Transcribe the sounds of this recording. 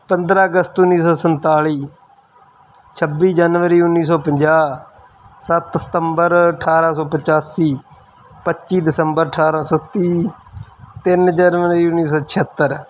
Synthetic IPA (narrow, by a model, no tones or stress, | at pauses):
pənd̪ɾaːəɡəst̪ʊnːiːsɔːsənt̪aːɭiː | t͡ʃʰəbːiːd͡ʒaːnʋəɾiːʊnːiːs̬ɔːpəɲd͡ʒaː | sət̪sə̥t̪əmbəɾəʈʰaːɾaːsɔːpət͡ʃaːsiː | pətːʃiːd̪ɪsəmbəɾəʈʰaːɾaːsɔːt̪iː | t̪ɪnd͡ʒaːnʋəɾiːʊnːiːs̬ɔːt͡ʃʰɪət̪ːəɾ